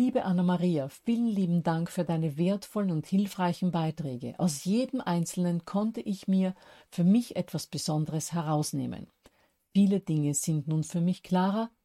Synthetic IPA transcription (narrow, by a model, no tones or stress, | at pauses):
liːbəʔanamaʁiːafiːlənliːbm̩daŋkfyːɐdaɪnəveːɐtfɔlənʊnthɪlfʁ̥aɪçn̩baɪtʁ̥ɛːɡə̰ʔa̰ʊsjeːdəm̩ʔaɪnt͡sl̩nənkʰɔntəʔɪçmiːɐfyːɐmɪçʔɛtv̥asb̥əzɔndəʁəshɛʁaʊsnḛːmə̰n | fiːləd̥ɪŋəz̥ɪntnuːnfyːɐmɪçkʰl̥aːʁɐ